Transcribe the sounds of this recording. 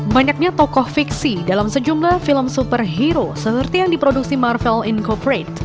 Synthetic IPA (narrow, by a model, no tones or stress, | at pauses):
baɲak̚ɲat̪ɔkɔhfiksidalamsəd͡ʒumlahfiləmsupərɦiɾosəərt̪ijaŋdipɾoduk̚simarfɛlinkɔpɾet̪